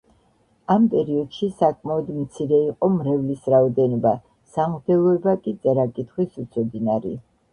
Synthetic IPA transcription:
ampʼɛɾiɔd̪̥ʃisakʼmaɔd̪mt̪sʰiɾɛiqʼɔmɾɛvlisɾaɔd̪ɛnɔba | samʁd̪ɛlˠɔɛbakʼit̪sʼɛɾakʼit̪ʰχwisut̪sʰɔd̪inaɾḭ

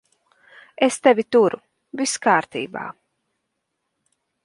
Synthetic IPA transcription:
est̪ɛvʲit̪uɾu | viskaːɾt̪ḭːba̰ː

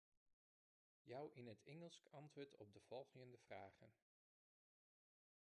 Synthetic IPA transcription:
jʌwʔɪnɦətɛŋəlˠskɑntʋʊːɹtɔb̚dəv̥ɔlˠχəəndəv̥ra̰ːχə̰n

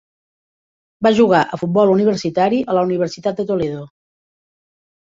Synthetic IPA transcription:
baʒuɣ̞aʔəfut̪̚bɔluniβ̞əɾsit̪aɾiʔələuniβ̞əɾsit̪at̪̚d̪ət̪oleðo

